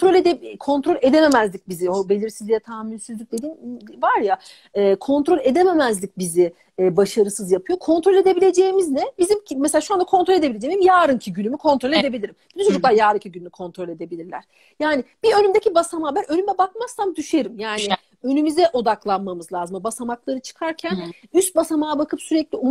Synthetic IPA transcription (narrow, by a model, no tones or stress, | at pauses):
t̪ɾolʲed̪ekʰo̞nt̪ɾo̞lʲe̞d̪eme̞mæzlʲic̚biziobe̞lʲiɾsizlʲijɛt̪ʰaːminsyzlʲyc̚ʲd̪e̞d̪invaɾja | ɛkʰo̞nt̪ɾo̞lʲe̞d̪eme̞mæzlʲic̚ʲbizɪː | baʃaɾɯsɯzjapʰɯjo̞kʰo̞nt̪ɾo̞lʲe̞d̪e̞bilʲe̞d͡ʒe̞ːimiznɛbizimmeselʲaːʃuand̪akʰo̞nɾo̞lʲe̞d̪eiled͡ʒejmizimjaːɾɯncʰiɟynymykʰo̞nt̪ɾo̞lʲed̪e̞bilʲiɾimbinit͡ʃʰo̞d͡ʒuk̚lˠaɾjaːɾɯcʰiɟynyːykʰo̞nt̪ɾo̞lʲe̞d̪e̞bilʲiɾlʲæ̰ɾ̥ | jaːnɪb̥iø̞nymd̪ecibasamaːbænʔø̞nymɛbak̚maz̥t̪amd̪yʃe̞ɾimjaːnɪ | ø̞nymyzɛʔo̞d̪aklˠanmamɯzlˠaːzɯmbasamaklˠaɾɯt͡ʃʰɯ̥kʰaɾcʰænyst̪̚basamaːbakʰɯpsyɾɛclʲium